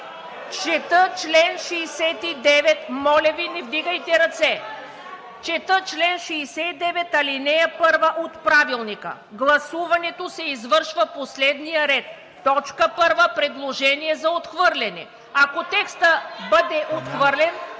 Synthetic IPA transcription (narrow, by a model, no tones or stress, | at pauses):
t͡ʃɛt̪ət͡ʃlɛnʃɛːsɛt̪id̪ɛvɛt̪mɔlʲɐvinɛvd̪iɡəjt̪ɛɾɐt̪sɛ | t͡ʃɛt̪ət͡ʃlɛnʃɛːsɛid̪ɛvɛt̪ɐlinɛpɤɾvəʔot̪pɾavilˠnikə̰ | ɡlˠɐsuvɐnɛt̪osɛizvəɾʃvəposlɛd̪nijəɾɛt̪ː | ɔt͡ʃkəpɤɾvəpɾɛd̪lˠoʒɛniɛzɐot̪xvəɾlʲɛnɛ̰ | akot̪ɛkst̪əbəd̪ɛʔot̪xvəɾlʲɛn